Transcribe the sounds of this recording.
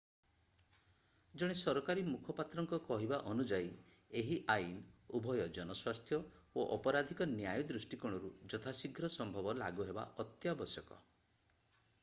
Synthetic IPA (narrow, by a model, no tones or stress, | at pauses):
d͡ʒɔɽ̃esɔɾɔkaɾimukʰɔpat̪ɾɔŋkɔkɔɦibaʔɔnud͡ʒai | eɦiʔain | ubʱɔjɔd͡ʒɔnɔswast̪ʰjɔ | oʔɔpɔɾad̪ʱikɔnjajɔd̪ɾusʈikɔɽ̃ɔɾud͡ʒɔt̪ʰasiɡʱɾɔsɔmbʱɔbɔla̰ɡuɦeba̰ʔɔt̪jabɔsjɔkɔ̰